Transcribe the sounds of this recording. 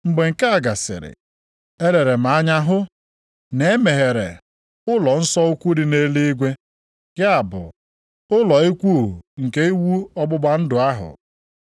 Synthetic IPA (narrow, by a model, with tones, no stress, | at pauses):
ŋ͡m̩˦ɡ͡be˨ŋ̩˨ke˦a˨ɡa˨sɪ̰˨ɾɪ̰˨ | e˦ɾe˨ɾe˨m̩˨a˦ɲa˦ɦʊ˦ | ne˨e˦me˨ɦe˨ɾḛ˨ | ʊ˦lɔ˨n̩˦sɔ˦u˦kʷu˦ɾi˦ne˦li˦i˦ɡʷe˦ | ɡ̥ɪ˦a˨bʊ̰˨ | ʊ˦lɔ˨i˦kʷu˦˨ŋ̩˨ke˦i˦wu˦ɔ˦ɡ͡bʊ˦ɡ͡ba˦n̩˦dʊ˨a˦ɦʊ̰˨